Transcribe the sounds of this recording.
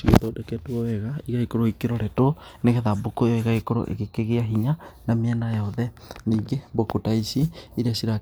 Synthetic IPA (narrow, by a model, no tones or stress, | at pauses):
siɣḛtodɛkɛtuɔwɛɣaiɣaikoɾoikeɾɔɾɛtoneɣɛðabokojoeɣaikoɾo̰ʔḛɣekeɣeaɦiɲanamiɛnajɔðɛniːɡebokutaisiːɾiasiɾa